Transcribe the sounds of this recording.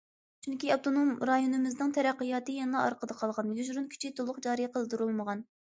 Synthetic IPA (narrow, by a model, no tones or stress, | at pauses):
t͡ʃʰyŋkʲiɑp̚t̪ʰonomɾɑjonɨmɪznɨŋt̪ʰɛɾæqːəjɑːt̪ɨjɛnlˠɑɑ̰ɾqəd̪ɑqʰɑlˠʁɑnjyʒɾunkʲʰy̥t͡ʃʰit̪ʰolˠːʊχqd͡ʒɑːɾɨjqəlˠd̪uɾulˠməʁɑn